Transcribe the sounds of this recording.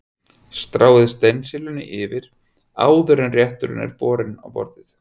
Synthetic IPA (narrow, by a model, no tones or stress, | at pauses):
st̪ɾaːwðɪðst̪ejnsɪlʏnːɪʔɪvɪɾ̥ | a̰ːwðʏɾɛnrjɛht̪ʏɾʏ̰nɛ̰ɾpɔːɾɪna̰wpɔ̰ɾt̪ɪθ